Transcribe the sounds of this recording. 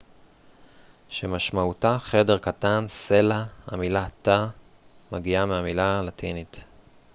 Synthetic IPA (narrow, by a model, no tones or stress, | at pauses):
ʃemaʃmautaχe̞de̞ʁkatanse̞laha̰milata | maɡiameamilalatʰinit